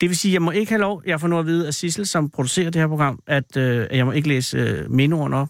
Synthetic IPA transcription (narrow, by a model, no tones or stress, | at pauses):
d̥e̝ʋe̝siːjɑ̈ɪmɒ̽e̝ɡ̥əhælɒʊ̰jɑ̈ɪfɒ̽nɔ̰ð̰ˠɐʋiːð̞̩ˠæsisl̩sɒ̽mpʰʁo̝d̥use̝̰ːɐd̥e̝heɐ̰pʰoɡʁɑ̈m̰ʔæd̥øjɑ̈ɪmɒ̽e̝ɡ̥əlḛːsme̝noɐnəɒ̽b̥